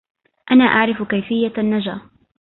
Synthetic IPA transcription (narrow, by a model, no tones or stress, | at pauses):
ʔanaːʔaʕɾɪfkajfɪjːanːad͡ʒaː